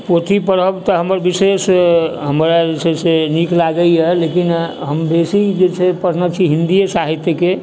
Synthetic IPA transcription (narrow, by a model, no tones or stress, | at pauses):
pot̪ʰipəɽəbt̪ɔɦəməɾbisesɦəmɾad͡ʒeseseniklaɡəiɦɛlekinɦəmbesid͡ʒet͡ʃʰepəɾ̤nat͡ʃʰiɦind̪isaɦit̪jəke